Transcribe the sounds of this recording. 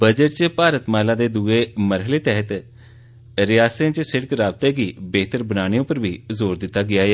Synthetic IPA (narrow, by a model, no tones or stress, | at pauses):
bəd͡ʒəʈ̚t͡ʃəpaːɾət̪maːɦlãːd̪eːd̪uːeːməɾɦəleːt̪ɛɦət̪ | ɾɪjaːst̪ẽːt͡ʃsɪɽəkɾaːb̚t̪eːɡiːbeːt̪əɾbənaːɽ̃eːõːpəɾbiːzoːɾd̪ɪt̪ːaːɡɪaːɛː